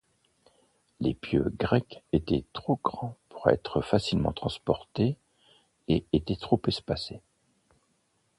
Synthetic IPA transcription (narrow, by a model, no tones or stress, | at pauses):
lḛpjø̰ɡʁɛket̪ɛ̰t̪χoɡʁɑ̃pu̥ʁɛ̰t̪χəfasilmɑ̃t̪χɑ̃spɔʁt̪e | eet̪ɛt̪χopɛspase